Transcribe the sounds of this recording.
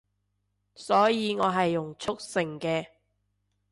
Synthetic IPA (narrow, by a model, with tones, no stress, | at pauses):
sɔː˨˥jiː˨˧ŋɔː˨˧ɦɐ˨jːʊ˨˩ŋt͡ʃʰʊ˥k̚sɪ˨˩ŋkɛː˧